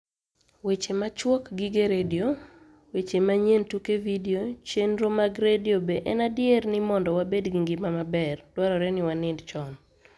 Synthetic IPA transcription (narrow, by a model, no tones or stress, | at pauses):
wet͡ʃemat͡ʃwokɡiɡeɾedio | wet͡ʃemaɲentukevidiot͡ʃenɾomaɡɾedjobeʔɛnadjernɪmɔndɔwabedɡiŋɡɪmamabɛrdwaɾɔɾɛnɪwanɪndt͡ʃɔn